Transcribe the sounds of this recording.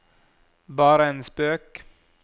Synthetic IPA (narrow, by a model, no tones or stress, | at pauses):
bɑːɾəeːnspøːk